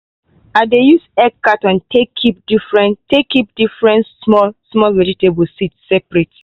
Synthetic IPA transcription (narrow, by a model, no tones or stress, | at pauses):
adejusɛkːatãntʰekʰip̚difɹɛ̃ntekip̚d̥ifɹɛ̃nsmɔlsmɔlvɛditebəlsitssɛpɹet